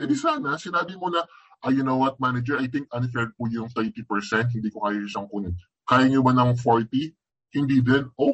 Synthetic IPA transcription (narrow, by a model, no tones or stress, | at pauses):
pɛd̪isaːnɐsɪnaːbɪmonɐ | ʔɐjʊnowɐt̪̚manɐd͡ʒɛɹʔɐjt̪ɪ̃ŋk̚ʔɐ̃nfɛɹ̚pujʊŋt̪ɛɹt̪ipɛɹsɛnt̪̚hɪnd̪iːkokaːjɐʊsɐŋkuːnɪn | kaːjɐɲʊbɐnɐŋfoɹt̪i | hɪnd̪iːd̪ɛnʔo